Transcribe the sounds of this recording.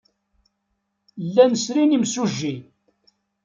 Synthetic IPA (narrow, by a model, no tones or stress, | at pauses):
lːænəsɾinimsuʒːi